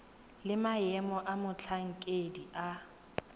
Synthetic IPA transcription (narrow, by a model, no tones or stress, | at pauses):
lɪmajɛmɔʔamʊt͡ɬʰaŋ̩kʼedia